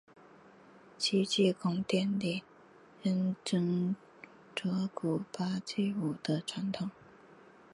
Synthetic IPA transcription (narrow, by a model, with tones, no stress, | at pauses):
t͡ɕʰi˥t͡ɕi˥˧kʰʊ˥ŋt̪jɛ˥˧nli˥˩ | ə˥nʈ͡ʂə˥ŋ | ʈ͡ʂɤ˧˥ku˨˩pa˥t͡ɕi˥˩u˨˩d̪̥ə˦ʈ͡ʂʰwa˧˥nt̪ʰʊ˨˩˦ŋ